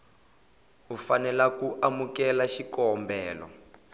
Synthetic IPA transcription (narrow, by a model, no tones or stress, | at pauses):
ufanɛlakuʔamukɛlaʃikɔmbɛːlɔ̰